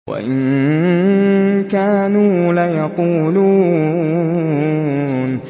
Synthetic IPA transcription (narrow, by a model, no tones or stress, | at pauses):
wa̰ʔɪn | kaːnuːlajɑquːluː | n